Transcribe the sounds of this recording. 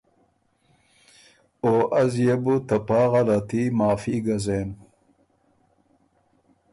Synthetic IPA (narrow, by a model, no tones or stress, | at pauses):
oːʔɐzjebut̪ɐpaːʁɐɾɐt̪imaːfiːɡɐzeːn